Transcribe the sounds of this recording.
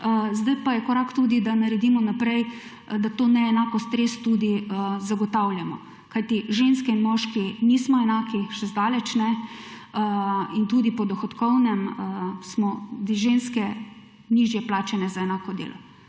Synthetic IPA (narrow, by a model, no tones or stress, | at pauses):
zd̪ajpajɛkɔɾaːkt̪uːd̪id̪anaɾɛd̪iːmɔnapɾɛj | d̪at̪oːnɛɛnakɔst̪ɾest̪ud̪izaɡɔt̪awljamɔ̰ | kajt̪iʒenskɛinmɔʃkinismɔɛnaːkiʃɛzd̪aːlɛt͡ʃnɛ | int̪uːd̪ipɔd̪ɔxɔt̪kɔwnɛmsmɔd̪iʒenskɛ | niːʒjɛplaːt͡ʃɛnɛzaɛnaːkɔd̪ḛːlɔ